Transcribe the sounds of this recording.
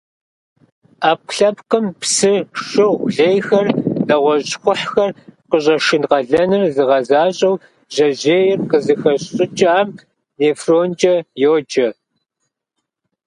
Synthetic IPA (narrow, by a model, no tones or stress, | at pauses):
aːp̚ɬɐpqəmpsɨʃɨʁʷɮejxɐrdɐʁʷɔʑxʷʊħxɐrqəɕ̬ʼɐʃɪnʁɐɮɐnɨrzɨʁɐzaːɕʼɐw | ʑ̥ɐʑeːjɪrqəzɨxɐɕɕʼɪt͡ʃʼaːm | neːfroːnt͡ʃʼɐjoːd͡ʒɐ